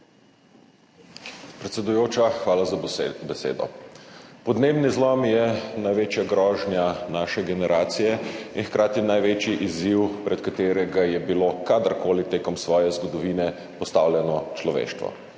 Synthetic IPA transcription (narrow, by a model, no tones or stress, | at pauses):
pɾɛt̪sɛd̪ujoːt͡ʃaxʋaːlazbɛsḛːd̪ɔ̰ | pɔd̪neːbnizlɔmjɛnajʋeːt͡ʃjaɡɾɔːʒnjanaːʃɛɡɛnɛɾʔaːt̪sijɛinxkɾaːt̪inajʋeːt͡ʃiʔiziwpɾɛt̪kat̪eːɾɛɡajɛbilokad̪əɾkoːlit̪eːkɔmsʋɔːjɛzɡɔd̪ɔʋiːnɛ | pɔst̪awljɛnɔt͡ʃlɔʋḛːʃt̪ʋɔ̰